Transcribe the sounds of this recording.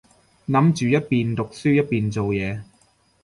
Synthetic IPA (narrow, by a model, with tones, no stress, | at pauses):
nɐ˨˥mt͡ʃyː˨jɐ˥t̚piː˨nt̪ʊ˨k̚syː˥jɐ˥t̚piː˨nt͡so˨wjɛː˨˧